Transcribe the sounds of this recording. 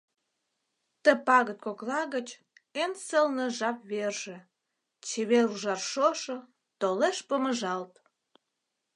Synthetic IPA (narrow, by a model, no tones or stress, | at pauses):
t̪əpɑɣət̪koklɑɣət͡ɕ | ensəlnə̆ʒɑp̚βerʒe̽ | t͡ɕeβeruʒɑrʃoʃŏ | t̪oleʃpəməʒɑlt̪